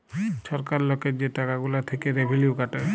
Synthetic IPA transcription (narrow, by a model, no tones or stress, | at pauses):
ʃɔɾkaɾlɔked͡ʑeʈakaɡulat̪ʰekeɾebʱeljukaʈa